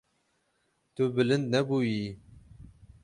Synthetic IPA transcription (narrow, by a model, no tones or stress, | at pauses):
t̪ʊbɨlɨnd̪̚nɛbuːji